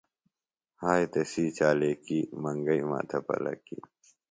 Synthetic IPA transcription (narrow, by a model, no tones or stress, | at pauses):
haːjt̪ɐsiːt͡ɕaːlekimɐŋɡɐima̰ːt̪ʰɐpɐ̰lɐ̰kḭ